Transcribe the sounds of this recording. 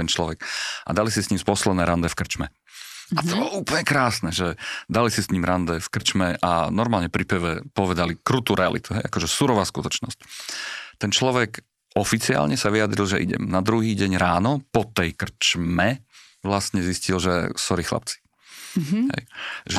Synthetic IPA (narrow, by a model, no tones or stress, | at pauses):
t̪ɛnt͡ʃlɔʋɛkʔa̰d̪alisisɲiːmspɔslɛnɛːɾand̪ɛfkr̩t͡ʃmɛ̰ | at̪ɔbɔuːpəlɲɛkɾaːsnɛʒɛd̪alisisɲiːmɾand̪ɛfkr̩t͡ʃmɛʔanɔɾmaːlɲɛpɾipɛʋɛpɔʋɛd̪alikɾut̪uːɾɛa̰lḭt̪uɦɛjakɔʒɛsuɾɔʋaːskut̪ɔt͡ʃnɔ̰sc | t̪ɛnt͡ʃlɔʋɛk | ɔfit͡sia̰ːlɲɛsaʋiad̪ɾilʒɛʔḭɟɛ̰mnad̪ɾuɦiːɟɛɲɾaːnɔpɔt̪ɛjkr̩t͡ʃmɛ | ʋlasɲɛziscilʒɛsɔɾiːxla̰p̚t͡si̥ | ɦɛ̰jʒɛ